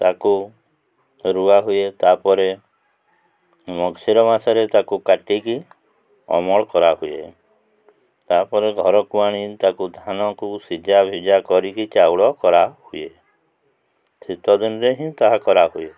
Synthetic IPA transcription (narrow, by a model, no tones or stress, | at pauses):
t̪aku | ɾuaɦujet̪apɔɾe | mɔɡsiɾɔmasaɾet̪akukaʈiki | ɔ̰mɔɭɔkɔɾaɦujḛ | t̪apɔɾeɡʱɔɾɔkuaɽ̃it̪akud̪ʱanɔkusid͡ʒabʱid͡ʒakɔɾikit͡ʃawɭɔkɔɾahuje | sit̪ɔd̪inɾeɦĩt̪aɦakɔɾaɦuje